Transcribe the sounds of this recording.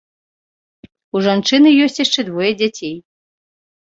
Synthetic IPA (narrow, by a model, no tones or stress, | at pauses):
uʐant͡ʂɨnɨjɔsʲt͡sʲjaʂt͡ʂɛd̪vɔjɐd͡zʲat͡sʲej